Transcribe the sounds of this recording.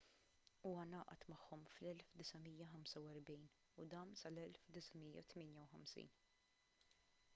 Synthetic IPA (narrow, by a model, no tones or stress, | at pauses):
uːwɐnɐːʔɐ̰t̪mɐħːɔmflɛlfd̪ɪsɐmijːɐħɐmsɐwɛɾbiːn | ud̪ɐːnsɐlɛlfd̪ɪsɐmijːɐ̰t̪mɪːnjɐwħɐmsḭːn